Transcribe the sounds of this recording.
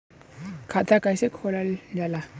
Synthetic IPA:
kʰat̪ʰakajsekʰolald͡ʒala

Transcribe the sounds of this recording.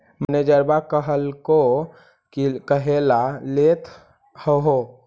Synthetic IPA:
məned͡ʒəɾbakəɦəlko | kikəɦelalet̪ʰ | həɦo

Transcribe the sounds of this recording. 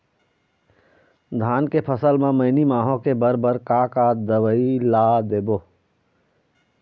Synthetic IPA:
d̪ʱaːnkepʰəsəlmẽməɪnimaːɦõkebəɾbəɾkakad̪əʋəilaːd̪eːboː

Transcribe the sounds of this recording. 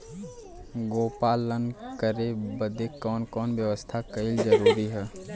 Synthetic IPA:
ɡoːpaːlənkəɾebəd̪ekɔːnkɔːnʋjəʋəst̪ʰakəɪld͡ʒəɾuːɾiɦɛː

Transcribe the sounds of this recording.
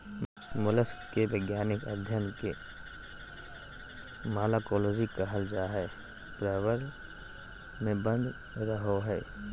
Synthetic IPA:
mʊləskebeːɡjaːnɪkə̰d̪ʱjənke | maːlaːkoːloːd͡ʒikaɦəld͡ʒaɦɛː | pɾɛːʋəɾ | mẽbə̃nd̪ | ɾəɦoɦɛː

